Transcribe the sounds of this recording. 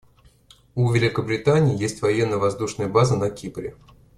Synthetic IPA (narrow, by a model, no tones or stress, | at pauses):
uvʲɪlʲɪkəbɾʲɪt̪anʲɪːjesʲtʲvɐjenːəvɐzd̪uʂnəjəbazənɐkʲipɾʲɪ̰